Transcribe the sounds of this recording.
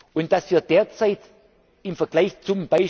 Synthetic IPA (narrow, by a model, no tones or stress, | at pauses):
ʔʊnt̚d̥asv̥iːɐd̥eːɐt͡saɪt | ɪmfɛɐɡ̥laɪçt͡sʊmb̥aɪ